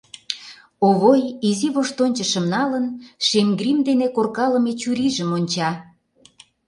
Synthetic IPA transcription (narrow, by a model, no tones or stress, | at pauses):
oβojiziβoʃt̪onʲt͡ɕə̆ʃə̆mnɑlənʃemɡrimd̪enekorkɑlə̆met͡ɕuɾiʒəmonʲt͡ɕɑ